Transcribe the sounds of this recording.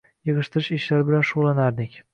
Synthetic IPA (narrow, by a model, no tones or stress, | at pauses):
jɨʁɨʃt̪ʰɪɾɪʃɪʃlaɾbɪlanʃʊʁlˠanaɾd̪ɪkʲ